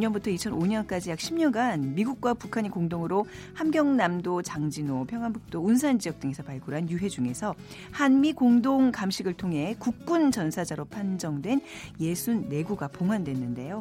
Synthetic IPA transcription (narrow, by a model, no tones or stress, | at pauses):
ɲʌnbutʰʌit͡ɕʰʌnoɲʌnk͈ad͡ʑijak̚ɕʰimɲʌnɡanmiɡuk̚k͈wapukʰaɲikoŋdoŋɯɾohamɡjʌŋnamdot͡ɕaŋd͡ʑinopʰjʌŋɦanbuk̚t͈ounsʰand͡ʑiʌk̚t͈ɯŋe̞sʰʌpaɭɡuɾɦanjuɦe̞d͡ʑuŋe̞sʰʌ | hanmikoŋdoŋkamɕʰiɡɯɭtʰoŋɦe̞kuk̚k͈unt͡ɕʌnsʰad͡ʑaɾopʰand͡ʑʌŋdwe̞n | je̞sʰunːe̞ɡuɡapoŋɦwandwe̞nːɯnde̞jo